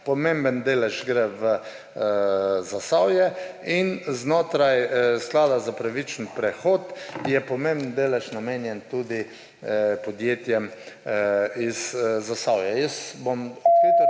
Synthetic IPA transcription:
pɔmẽmbənd̪eːlɛʒɡɾɛʋə | zasawjɛinznoːt̪ɾajsklaːd̪azapɾaʋit͡ʃnpɾɛxot̪jɛpɔmẽmbn̩d̪eːlɛʃnameːnjɛnt̪uːd̪i | pɔd̪jeːt̪jɛm | izːasawjɛjəsbomspeːt̪

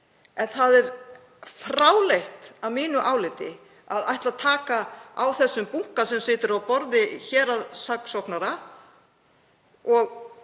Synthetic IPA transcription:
ɛnθaðɛɾ̥ | fɾaːwlejht̪avmiːnʏʔaːwlɪt̪ɪ | aðajht̪laðt̪ʰaːkaawθɛsːʏmpuŋ̥kasɛmsɪːt̪ɪɾawpɔɾðɪçɛːɾaðsaksɔwknaɾa | ɔɣ

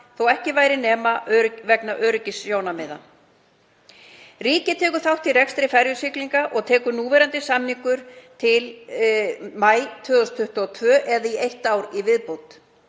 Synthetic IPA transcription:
θowɛhcɪvaːjɾɪnɛːmaʔœɾʏvɛknaʔœːɾʏcɪsjoːwnamɪða̰ | riːcɪt̪ʰɛːkʏ̥θawht̪irɛkst̪ɾɪfɛɾjʏsɪkliŋkaʔɔɣt̪ʰɛːkʏnuːvɛɾant̪ɪsamniŋkʏɾ̥t̪ʰɪl | maːjt̪ʰvœːɣʏst̪ʰʏht̪ɔt̪ʰvœːʔɛðaiejht̪awɾivɪðpowt̪

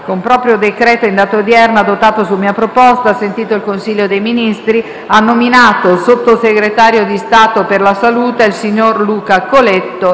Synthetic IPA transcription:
kompɾɔpɾjod̪ekɾɛːt̪oind̪aːt̪od̪jɛrnad̪ot̪ːaːt̪osumiːapɾopɔst̪asent̪iːt̪oilkonsiʎːod̪ejminist̪ɾi | anːominaːt̪osot̪ːoseɡɾet̪aːɾjod̪ist̪aːt̪operlasaluːt̪eilsiɲːorluːkakolet̪ːo

